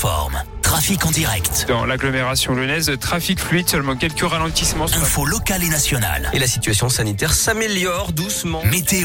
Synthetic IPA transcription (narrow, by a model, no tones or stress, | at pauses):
fɔ̰ʁmt̪χafikɑ̃d̪iʁɛ̰kt̪d̪̥ɑ̰̃laɡlɔmeʁasjɔ̃lənɛzlət̪χafikflɥid̪sœlmɑ̃kʲɛlkəʁalɑ̃t̪ismɑ̃ɛ̃folɔkalenasjɔna̰lelasit̪ɥasjɔ̃sanit̪ɛʁsameljɔʁd̪usmɑ̃met̪e